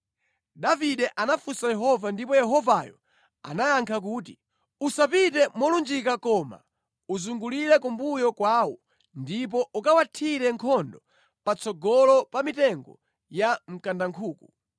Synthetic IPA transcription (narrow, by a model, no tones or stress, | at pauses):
daviɗɛʔanafusajɛɦɔvandipɔjɛɦɔvajɔ̰ | a̰najaŋkʰak̬uːti | usapitɛmwɔlund͡ʒikakɔːma̰ | uzuŋɡuliɾɛkumbujɔkwaːwɔ | ndip̬ɔʔukawatʰiɾɛŋkʰɔndɔ | pat͡sɔɡɔlɔpamitɛŋɡɔ | jam̩kandaŋkʰuːku